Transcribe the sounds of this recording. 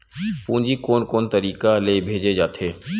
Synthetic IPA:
pũːd͡ʒikoːnkoːnt̪əɾiːkaleːbʱeːd͡ʒed͡ʒaːt̪ʰeː

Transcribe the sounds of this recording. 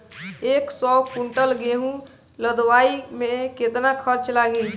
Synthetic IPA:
eksɔkuɳʈəlɡeɦũ | ləd̪ʋaimeket̪nakʰəɾt͡ʃlaɡi

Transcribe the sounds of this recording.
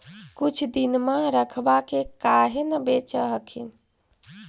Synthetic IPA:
kut͡ʃʰd̪inmãɾəkʰbakekaɦenəbet͡ʃəɦəkʰin

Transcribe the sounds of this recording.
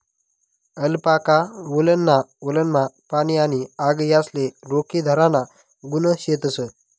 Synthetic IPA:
əlpakaʋulənːaʋulənmapañianiaɡjasleɾokid̪ʱəɾãna | ɡunəɕet̪əsə

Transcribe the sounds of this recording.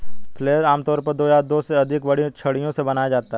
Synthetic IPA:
pʰleːəɾaːmt̪ɔːɾpɐɾd̪oːjad̪oːseɐd̪ʱɪkʋɐɽĩt͡ʃʰɐɽijõsebɐnaːjad͡ʒaːt̪aɦɛ

